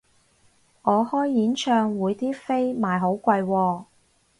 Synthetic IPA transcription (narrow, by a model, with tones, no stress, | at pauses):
ŋɔː˨˧hɔː˥jːiː˨˥nt͡ʃʰœː˧ŋwuː˨˧jt̪ʰiː˥fe˥jmaː˨˩jɦo˨˥wkʷɐ˧jwɔː˧